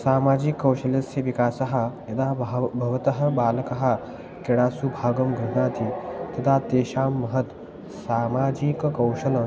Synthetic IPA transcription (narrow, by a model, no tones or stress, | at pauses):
saːmaːd͡ʑikːɐwʃɐlɐsɐʋikaːsɐɦajɐd̪abʱɐʋɐt̪ɐɦɐ̆baːlɐkɐɦa | keɽaːsubʱaːɡɐmɡʱɐɳaːt̪ʰit̪ɐd̪at̪eːʃaːmːɐɦɐt̪ | saːmaːd͡ʑikkɐwʃɐlɐ